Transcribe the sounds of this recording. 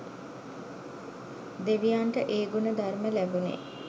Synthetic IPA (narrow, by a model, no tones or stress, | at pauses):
d̪eʋijaːɳʈəʔeːɡunəd̪arməlæbunḛː